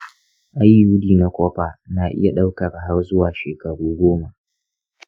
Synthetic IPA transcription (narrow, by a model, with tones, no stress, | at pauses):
ʔa˦jːuː˦diː˨na˦kʷoː˦ɸaː˨naː˨ʔɪ̰˦ja˨ɗa˦wkɐ˨rɦa˦rzʊ˦waː˨ʃeː˨kɐ˨ɽuː˦ɡʷoː˦ma˨ʔ